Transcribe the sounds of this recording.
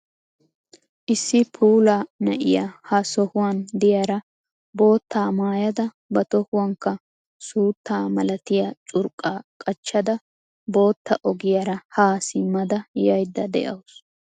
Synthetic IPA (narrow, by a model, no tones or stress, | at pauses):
ʔɪsːɪpʰuːlaːnɐʔɪjahɐsɔhʊwaːnd̪ɪjaːɾɐ | bo̞ːt̪ːaːmaːjɐd̪ɐ | bɐt̪ɔhʊwɐŋkːɐ | suːt̪ʰːaːmɐlɐt̪ɪjat͡ʃʼʊɾkʼːaːkʼɐt͡ʃːɐd̪ɐ | bo̞ːt̪ːɐʔɔɡɪjaɾɐhaːsɪmːɐd̪ɐjɐjd̪ːɐd̪ɛ̰ʔɐwʊs